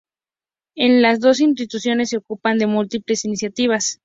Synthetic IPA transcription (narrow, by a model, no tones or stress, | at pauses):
e̞nlazðo̞s̬inst̪it̪usjo̞ne̞sːeokupand̪e̞mult̪iple̞sinisjat̪iβ̞as